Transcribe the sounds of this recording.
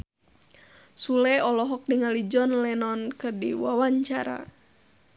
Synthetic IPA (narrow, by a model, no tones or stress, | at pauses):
sulɛɔlɔɦɔk̚diŋalid͡ʒɔnlɛnɔnkərdḭwawaɲt͡ʃaɾa̰